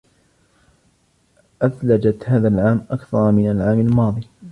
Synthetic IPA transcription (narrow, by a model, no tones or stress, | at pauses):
ʔaθlad͡ʒat̪haːðaːlʕaːmʔakθɑɾˤmɪnalʕaːmalmɑːðˤi